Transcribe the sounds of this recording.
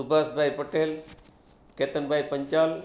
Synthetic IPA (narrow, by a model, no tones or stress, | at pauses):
subʱasbʱaipəʈeːl | keːt̪ənbʱaːipəɲt͡ʃaːl